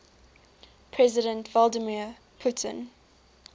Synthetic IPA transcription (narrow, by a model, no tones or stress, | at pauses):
pʰɹ̥ɛzɪɾə̃ntvɔlˠdəmi | pʰutʰə̰̃n